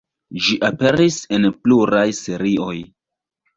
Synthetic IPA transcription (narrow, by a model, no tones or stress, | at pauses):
d͡ʒiʔape̞ɾisenpluɾajseɾio̞j